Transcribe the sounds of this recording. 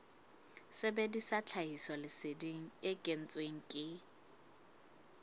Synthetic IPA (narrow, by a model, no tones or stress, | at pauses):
sɪbedisat͡ɬʰaɦisɔlɪsɪdiŋ̩ekʼen̩t͡sʼweŋ̩kʼɪ